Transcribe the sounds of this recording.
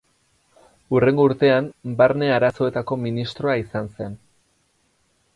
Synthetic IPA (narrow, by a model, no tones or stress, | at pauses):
ure̞ŋɡouɾt̪e̞ambaɾne̞aɾaso̞e̞t̪ako̞minist̪ɾo̞aisanse̞n